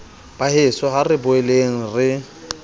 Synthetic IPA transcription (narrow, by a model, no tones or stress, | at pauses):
b̥ahɪsɔɦarɪbʊɛleŋ̩rɪ